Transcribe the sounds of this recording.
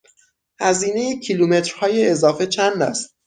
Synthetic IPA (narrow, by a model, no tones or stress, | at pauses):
hæziːne̞jecʰilume̞t̪ɾhɒːjeːzɒːfe̞t͡ʃʰænd̪æ̰st̪̚